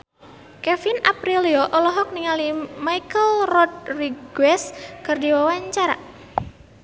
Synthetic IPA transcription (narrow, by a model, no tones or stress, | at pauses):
kɛfinapɾiliɔʔɔlɔɦɔk̚niŋalimajkəlrɔt̪̚riɡwɛskɨrdiwawaɲt͡ʃaɾa̰